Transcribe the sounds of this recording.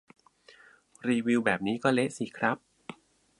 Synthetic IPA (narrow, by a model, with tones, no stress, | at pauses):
ɾiː˧wi˧wbɛː˨˩p̚niː˦˥kɔː˥˩le˦˥ʔsi˨˩kʰɾa˦˥p̚